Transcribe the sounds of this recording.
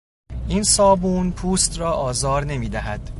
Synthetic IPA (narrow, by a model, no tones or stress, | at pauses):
ʔiːnsɒːbuːnpʰuːst̪ɾɒːʔɒːzɒːɾne̞miːd̪æɦæd̪̥